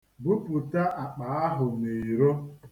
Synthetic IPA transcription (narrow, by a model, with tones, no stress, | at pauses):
bu˦pu˨ta˦ʔa˨k͡pa˨˦a˦ɦʊ˨me˨i˨ɾo˦